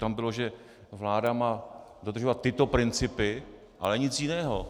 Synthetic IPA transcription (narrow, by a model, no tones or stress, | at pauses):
t̪ambɪloʒɛ | vlaːdamaː | dod̪rʒo̞vat̪ːɪt̪o̞pɾɪnt͡sɪpɪ | ʔa̰lɛɲɪt͡sjɪnɛːɦo